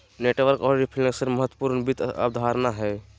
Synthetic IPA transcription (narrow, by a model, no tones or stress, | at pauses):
neʈʋəɾkɔɾɾipʰiləksəɾməɦət̪wəpuɾnbit̪a̰bd̪ʱaːɾnaɦɛ